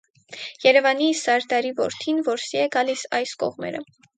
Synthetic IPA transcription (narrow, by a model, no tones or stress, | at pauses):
jɛɾɛvɑnisɑɾd̪ɑɾivɔɾt̪ʰinvɔɾsiɛɡɑlisɑjskɔ̰ʁmɛ̰ɾə̰